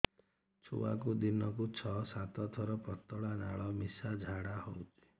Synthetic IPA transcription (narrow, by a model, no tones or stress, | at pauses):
t͡ʃʰṵwa̰kud̪inɔk̬ut͡ʃʰɔsat̪ɔt̪ʰɔɾɔpɔt̪ɔɭana̰ɭɔmisad͡ʒʱaɽahowt͡ʃʰi̥